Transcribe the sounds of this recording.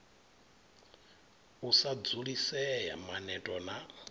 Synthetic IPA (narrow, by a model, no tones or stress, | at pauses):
usad͡zuɺisɛja̰manɛtʼɔna